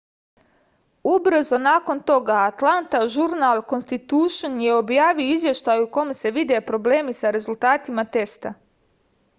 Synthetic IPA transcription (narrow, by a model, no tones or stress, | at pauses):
ubɾzo̞naːko̞nt̪o̞ɡaːt̪lˠant̪aʒuɾnalˠko̞nst̪it̪uːʃonjeo̞bjaːʋioizʋje̞ʃt̪ajuko̞mese̞ʋid̪e̞pɾo̞ble̞ːmisaɾe̞zult̪aːt̪imat̪e̞st̪a